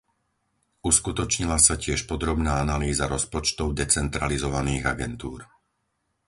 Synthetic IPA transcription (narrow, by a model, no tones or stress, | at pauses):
uskut̪ɔt͡ʃɲilasacɪɛʃpɔd̪ɾɔbnaːanaliːzaɾɔspɔt͡ʃt̪ɔʊd̪ɛt͡sɛnt̪ɾalizɔʋaniːɣaɡɛnt̪uːɾ